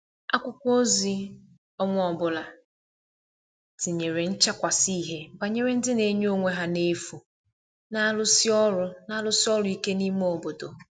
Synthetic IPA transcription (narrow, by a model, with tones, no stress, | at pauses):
a˦kʷʊ˦kʷo˦zi˦ | ɔ˦ŋʷʊ˦ɔ˨bʊ˨la˨ | ti˨ɲe˨ɾe˨n̩˦t͡ʃa˦kʷa˨si˦˨ɦe˦ba˨ɲe˦ɾe˦n̩˦dɪ˦ne˨ɲ˦o˦ŋʷe˦ɦa˨ne˦fu˨ | na˦lʊ˦si˦ɔ˦lʊ˨˦na˦lʊ˦sɪ˦ɔ˦lʊ˨˦i˦ke˦ni˦m˦o˨bo˨do˨